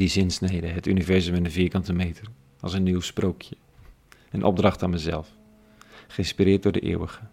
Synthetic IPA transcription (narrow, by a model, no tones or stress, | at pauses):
dizɪnsnejdəɦətynivɛɹzəmənənviːkɑntəmejtər | ɑlˠsənːiwsprowkʰjə | ənʔɔ̰b̚drɑχtaːnməzɛ̰lˠf | χəɪnspirɪːɹt̚dʊːɹdə̰ʔɪ̰ːwəɣə